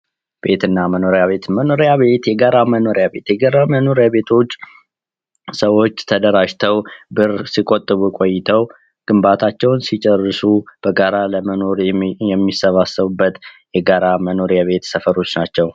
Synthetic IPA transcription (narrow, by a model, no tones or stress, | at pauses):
b̥e̞t̪ɨnːaməno̞ɾjaβe̞t̪məno̞ɾejaβe̞t̪jɛɡaɾaməno̞ɾjaβe̞t̪jɛɡaɾaməno̞ɾjaβe̞t̪ʰo̞t͡ʃː | səwo̞t͡ʃːt̪ʰəd̪əɾaʒt̪ʰəwbɨɾsikʼot̪ʼːɨβukʼo̞jːɪt̪ʰəw | ɡ̥ɨmbat̪ʰat͡ʃːɛwnsit͡ʃʼɛrːɨsub̥əɡaɾaləməno̞ɾjɛmːisəβasːəβɨbːət̪jɛɡaɾaməno̞ɾjaβe̞t̪səfəɾo̞t͡ʃːnat͡ʃːɛw